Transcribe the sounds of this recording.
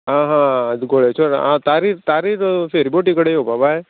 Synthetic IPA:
ɦãɦãɡoɭet͡ʃʰoɾã̰t̪aɾit̪aɾiɾfʰeɾiboʈikəɽejobʱabae

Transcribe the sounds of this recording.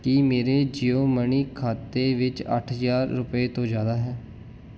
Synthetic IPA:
kimeːɾeːd͡ʒijoːməɳiːkʰaːt̪eːʋɪt͡ʃə̰ʈʰzaːɾːʊpeːt̪õːd͡ʒjaːd̪aːɦɛː

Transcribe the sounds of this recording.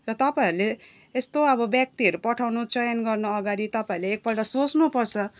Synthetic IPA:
rʌt̪ʌpaiɾuleː | st̪oʌbʌbjak̚t̪iʌɾupʌʈʰawnut͡sʌjʌnɡʌrnʌʌɡaɾit̪ʌpaĩleːk̚pʌlʈʌsot͡snupʌrt͡sʰʌ

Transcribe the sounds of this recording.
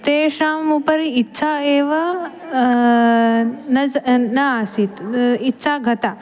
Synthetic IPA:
t̪eːʃaːmupɐɾiitːʃʰaeːʋa | nɐnɐaːsit̪itːʃʰaːɡʱɐt̪a

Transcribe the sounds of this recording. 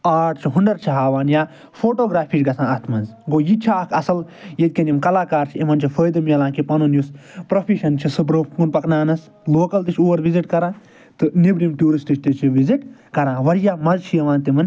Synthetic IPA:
aːʈʰt͡ʃʰiɦuɳɖɐɾt͡ʃʰiɦaːʋaːnjaː | foːʈoːɡɾaːfʰiːʃɡɐsãːɐt̪ʰmɐnzɡoːjit͡ʃʰaːkʰɐsɐl | jɐd̪̚ʲkʲɐnimkɐlaːkaːɾt͡ʃʰimɐnt͡ʃʰifʰəːjd̪ɨmjɐlãːkipɐnunjuspɾofʰiʃɐnt͡ʃʰisɨbɾoːfpuːnpɐknaːnɐs | loːkɐlt̪it͡ʃʰuːɐɾʋiziʈkɐɾãː | t̪ɨnibɾimʈuːɾisʈit͡ʃʲt̪it͡ʃʰiʋiziʈ | kɐɾãːʋɐɾjaːmɐzt͡ʃʰijɐʋãːnt̪imɨn

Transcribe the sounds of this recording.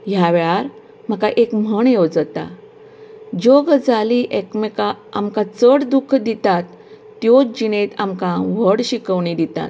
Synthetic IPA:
ɦjaʋɭaɾ | m̤əkaʔekm̤əɳjewd͡zət̪a̰ | d͡ʑoɡd͡zaliʔekmekaamkat͡səɽd̪ukʰd̪it̪at̪ː | jod͡ʑinet̪amkãʋ̤əɽɕikəʋɳid̪it̪a̰t̪̚

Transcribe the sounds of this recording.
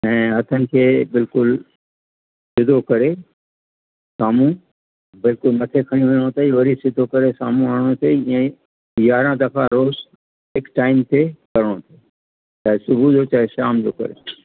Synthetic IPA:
ɛ̃ːɦɐt̪ʰənɪ̆kʰeːbɪlkʊl | sɪd̪ʱokɐɾe | saːmũ | bɪlkʊlmɐʈʰekʰɐɽ̃jũʋeɽ̃õt̪ʰɐiʋɐɾisɪd̪ʱokɐɾesaːmũaːɽ̃õt̪ʰẽẽ | jaːɾãd̪ɐkʰaɾoːz | ɦɪkʈaːɪmt̪ʰekɐɾəɽ̃õt̪ʰe | t͡ɕaːɦesʊbʱud͡ʑoːt͡ɕaːɦeʃaːmd͡ʑoːkɐ̰ɾḛ

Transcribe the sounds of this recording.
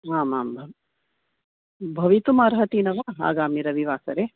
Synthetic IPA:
aːmaːmbʱ | bʱɐʋit̪umaɾɦɐt̪iːnɐʋaɦa̰ːɡaːmiɾɐʋiʋaːsɐɾe

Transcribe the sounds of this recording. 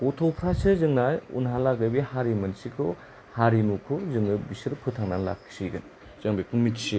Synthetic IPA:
pɔtʰowpʰɾasɯzɯŋnajṵnɦalaɡɯbihaɾimɐnsikʰo | haɾinukʰozɯŋɯbisɯɾpʰɯtʰaŋnanla̰kʰsiɡɯn | z̥ɐŋbekʰuŋmitsi

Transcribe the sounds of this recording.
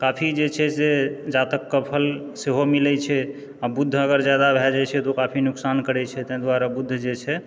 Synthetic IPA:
kapʰid͡ʒet͡ʃʰɛsed͡ʒat̪əkːəpʰəl | seɦomilɛt͡ʃʰɛ | abud̪ʱːəɡəɾd͡ʒjad̪abʱɛd͡ʒajt͡ʃʰɛt̪okapʰinuksankəɾɛt͡ʃʰɛt̪ə̃d̪waɾabud̪ʱːd͡ʒet͡ʃʰɛ

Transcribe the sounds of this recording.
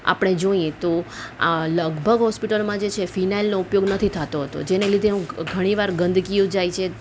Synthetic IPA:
a̰pɽ̃ed͡ʒoiẽt̪oaləɡbʱəɡɦɔspiʈəlmãd͡ʒet͡ʃʰefinailnoupjoɡnət̪ʰit̪ʰat̪oɦət̪o̰d͡ʒenelid̪ʱeɦũɡʱəɽ̃iʋaɾɡənd̪ʱkijũd͡ʒajt͡ʃʰe

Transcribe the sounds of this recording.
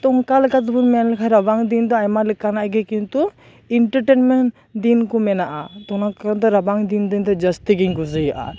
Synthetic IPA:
t̪ɔŋkalɛkat̪ɔbuɾmanlɛkʰajɾabaŋd̪ind̪ɔajmalɛkanaʔɡɛkint̪u | iɳʈəɾʈenmɛɳʈ | d̪inkɔmɛnaʔat̪ɔnakad̪ɔɾabaŋd̪ind̪ind̪ɔd͡ʒəst̪iɡiɲɡuzəjaʔa̰

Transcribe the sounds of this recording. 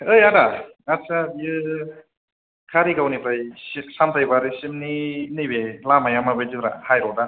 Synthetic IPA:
ɯjadaŋasabijɯ | kʰaɾiɡawnipɾajsisamtajbaɾisimninɯjbelamajamabediɾa̰hajɾɔda

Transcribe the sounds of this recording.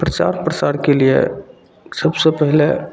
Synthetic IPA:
pɾət͡ʃa̰ɾpɾəsaɾkeliḛ | səbsepəɦle

